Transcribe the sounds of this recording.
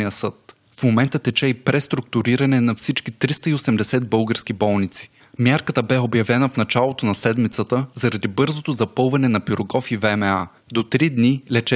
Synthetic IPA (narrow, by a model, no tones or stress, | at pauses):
ijəsɤt̪̚ | fmomɛnt̪ət̪ɛt͡ʃɛipɾɛst̪ɾʊk̚t̪uɾiɾɐnɛnɐfsit͡ʃkit̪ɾist̪əiosɛmd̪ɛsɛd̪̚bɤlˠɡəɾsk̟ibɔlˠnit̪si̥ | mʲjaɾkət̪əbɛobjɐvɛnəfnɐt͡ʃalˠot̪onɐsɛd̪mit̪sət̪əzɐɾɐd̪ibɤɾzot̪ozɐpɤlˠvɐnɛnɐpiɾoɡɔfivɛmɛa | d̪ot̪ɾid̪nilɛt͡ʃɛ